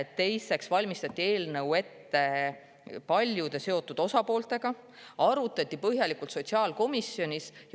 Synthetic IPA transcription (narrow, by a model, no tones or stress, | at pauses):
et̪ːe̞jse̞ksvɑlʲmist̪ɑt̪ʲːˑie̞ːlnɤwe̞t̪ːe̞ | pɑlʲjud̪̥e̞se̞o̞t̪ˑːud̪̥o̞sɑpo̞ːlt̪ˑe̞ɡ̥ɑ | ɑɾut̪ːˑɑt̪ʲˑːipɤɦjɑlikult̪so̞t̪siɑːlko̞misjo̞nʲisj